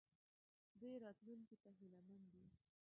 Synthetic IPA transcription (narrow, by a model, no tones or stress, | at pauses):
d̪ejɾɑt̪luŋkit̪aɦɪlamand̪i